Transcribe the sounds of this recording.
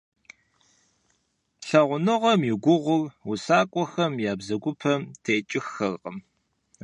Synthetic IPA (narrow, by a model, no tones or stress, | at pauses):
ɬɐʁʷʊnɨʁɐmjɪɡʷʊʁʷʊrʊsaːkʷʼɔxɐmjaːbzɐɡʷʊpʰɐmtʰeːt͡ʃʼɪxːɐrqʼəm